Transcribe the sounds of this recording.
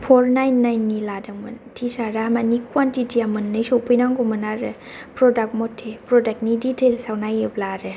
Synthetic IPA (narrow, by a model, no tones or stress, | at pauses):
pʰɔɾnajnːajnːiladɯŋmɯntʰisaɾaamanikʰwantitiamɯnːɯsowpʰɯjnaŋɡɔmɯnaɾɯ | pɾɔdak̚t̚mɔtʰːepɾɔdak̚niditʰelsawnajɯplaɾɯ